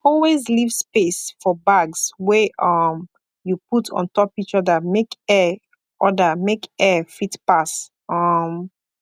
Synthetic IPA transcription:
ɔlwezlivspesfɔbaɡswɛʔʌm | juputʰɔ̰̃ntɔpit͡ʃɔðəmekɛ | ʔɔdəmekɛfitpas | ʌm

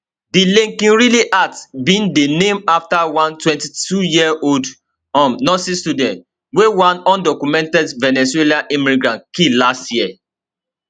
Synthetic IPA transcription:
dilẽŋkĩnɹiliʔatbĩndenẽmaftawãntwɛ̃ntitʰujiɛʔold | ɔ̃mnɔsistudɛ̃nt | wewãnɔ̃ndɔkumɛ̃ntɛdvɛnɛselãʔĩmĩɡɹãnkilastji

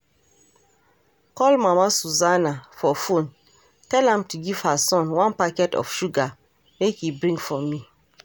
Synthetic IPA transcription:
kɔlmamasuzanafɔfõn | tɛlãmtuɡiv̥hasɔ̃nwãnpakɛtɔ̰fʃuɡa | mekhibɹĩŋɡfɔmi

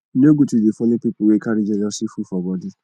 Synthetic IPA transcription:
nĩoɡutidefũnĩpipuwekaɾid͡ʒenɔsifufɔbɔdi

